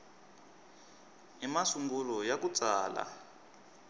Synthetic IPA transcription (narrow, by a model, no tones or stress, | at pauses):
imasuŋɡulɔjakut͡saːla̰